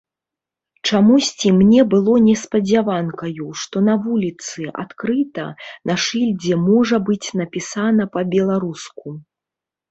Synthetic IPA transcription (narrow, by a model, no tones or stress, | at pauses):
t͡ʂamusʲt͡sʲimnʲɛbɨlˠɔnʲɛspɐd͡zʲavankɐjuʂt̪ɔnɐvulʲit̪sɨʔa̰t̪kɾɨt̪ɐ̰nɐʂɨlʲd͡zʲɛmɔʐɐbɨt͡sʲnɐpʲisanɐpɐbʲɛlˠaɾusku